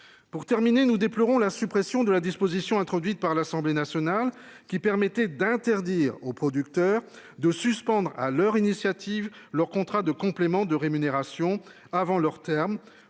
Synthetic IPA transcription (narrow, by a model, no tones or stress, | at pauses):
puʁt̪ɛʁminenud̪eplɔʁɔ̃lasypχɛsjɔ̃d̪əlad̪ispozisjɔ̃ɛ̃t̪χɔd̪ɥit̪̚paʁlasɑ̃blenasjɔnal | kʲipɛʁmɛt̪ɛd̪ɛ̃t̪ɛʁd̪iːʁopχɔd̪ykt̪œʁ | d̪əsyspɑ̃d̪ʁa̰lœʁinisjat̪ivlœʁkɔ̃t̪χad̪əkɔ̃plemɑ̃d̪əʁemyneʁasjɔ̃ | avɑ̃lœʁt̪ɛʁm